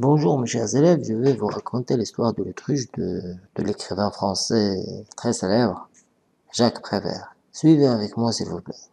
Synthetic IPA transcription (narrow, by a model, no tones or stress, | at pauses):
bɔ̃ʒuːʁməʃɛʁzelɛvʒəvɛvuʁakʰɔ̃t̪elist̪waʁd̪əlot̪χiʃd̪əd̪̥əlekχivɛ̃fχɑ̃sɛt̪χɛselɛbʁ | ʒakpχevɛ̰ːʁ | sɥiveavɛkmwasilvuplɛ